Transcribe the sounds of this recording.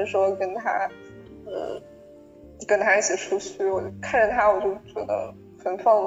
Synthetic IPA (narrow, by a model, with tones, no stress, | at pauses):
ʂwɔ˥kə˥nt̪ʰa˥ | ə̰˧˩ | kə˥nt̪ʰa˥i˥˩t͡ɕʰi˨˩ʈ͡ʂʰu˥t͡ɕʰy˥˩wɔ˨˩kʰa˥˩nʈ͡ʂə˨˩t̪ʰa˥wɔ˨˩t͡ɕjo˥˩ʊt͡ɕɥɛ̰˧˥d̪ə̰˧˦ | xə˨˩nfɑ˥˩